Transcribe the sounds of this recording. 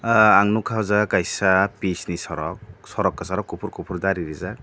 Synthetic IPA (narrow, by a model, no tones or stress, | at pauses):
aŋnukʰazakajsapisnisɔɾɔk̚sɔɾɔkːasɔɾɔkːupʰuɾkupʰuɾd̪aɾiɾizak